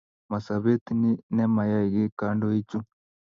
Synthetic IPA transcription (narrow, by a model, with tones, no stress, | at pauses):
ma˨sa˨βe˦t̪i˦ni˦nɛ˦ma˨ja˦i˨ɣi˦ka˦ndo˦i˦t͡ʃu˦